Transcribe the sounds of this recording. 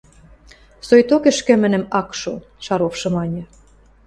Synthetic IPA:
sojt̪okɘ̆ʃkɘ̆mɘ̆nɘ̆mɑkʃo̰ | ʃɑɾofʃɤ̆mɑnʲɤ̆

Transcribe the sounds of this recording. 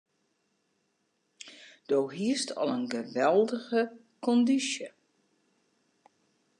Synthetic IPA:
d̥oːɦiəstʰɔ̰lˠənɡəʋɛlˠdəɣə | kɔndisjə

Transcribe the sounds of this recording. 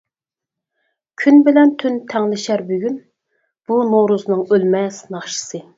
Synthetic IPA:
kʲʰynbɪlɛnt̪ʰynt̪ʰɛŋlɪʃæɾbyɡʲyn | b̥unoɾuzɨnɨŋølmɛsnɑχʃɨ̥sɨ

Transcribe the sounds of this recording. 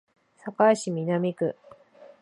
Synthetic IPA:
sakaɕimʲinamʲikɯ̟̰

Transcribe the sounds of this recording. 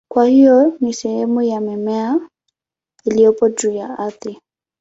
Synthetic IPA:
kwahijɔnisɛhɛmujamɛmɛa | ilijɔpɔd͡ʒujaaθɪ

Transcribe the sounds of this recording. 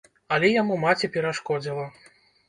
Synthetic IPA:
ɐlʲɛjamumat͡sʲɛpʲɛɾaʂkɔd͡zʲilˠɐ

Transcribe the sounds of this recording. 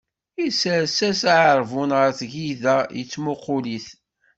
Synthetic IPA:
isəɾsæsʕəɾˤvʊnʁəɾθʝiðæjət͡sːmʊqʊliθ

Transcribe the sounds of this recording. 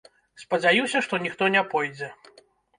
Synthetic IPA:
spɐd͡zʲajusʲɐʂt̪ɔnʲixt̪ɔnʲapɔjd͡zʲɛ

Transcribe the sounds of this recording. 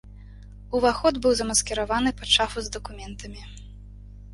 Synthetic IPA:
uvaxɔd̪bɨwzɐmɐskʲɛɾavanɨpɐʂafuzd̪ɐkumʲɛnt̪ʰɐmʲi

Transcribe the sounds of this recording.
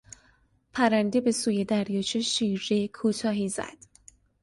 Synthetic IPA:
pʰæɾænd̪e̞be̞suːjed̪æɾjɒːt͡ʃʰeʃiːɾekʰuːt̪ʰɒːɦizæ̰d̪̥

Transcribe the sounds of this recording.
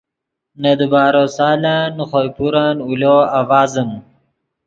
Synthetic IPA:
nɐd̪əbɑːɾosɑːlanuxojpuɾaːnuloawaːzəm

